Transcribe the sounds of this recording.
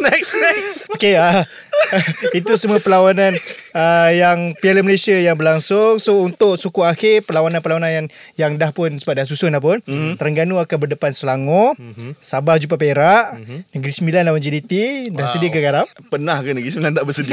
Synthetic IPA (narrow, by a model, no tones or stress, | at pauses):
nɛksɛkokeə | it̪usəmuəpəlawanãnəjaŋpialəməlesiajaŋbərlaŋsʊŋsount̪ʊʔsukuaxɪrpəlawanãnpəlawananjaŋ | jaŋdahpʊnsəbap̚dahs̬usʊnlahp̬ʊnt̪əɾəŋɡanuakanbərdəpansəlaŋosabahd͡ʒupap̬eɾaʔnəɡɾisəmbilanlawand͡ʒidit̪idahsədiəkəkaɾampənahkənəɡɾisəmbilant̪aʔbəsədi